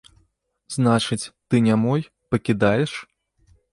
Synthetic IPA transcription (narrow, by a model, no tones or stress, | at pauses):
znat͡ʂɨt͡sʲt̪ɨnʲamɔj | pɐkʲid̪ajɛʂ